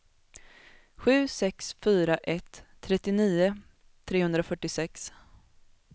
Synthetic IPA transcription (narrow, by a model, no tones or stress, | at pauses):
ɧʉ̟ːsɛksfyːɾaʔɛt̪ʰː | ɾɛt̪ːɪniːʊ | t̪ʰːɾeːhɵnd̪ɾafœʈːɪsɛks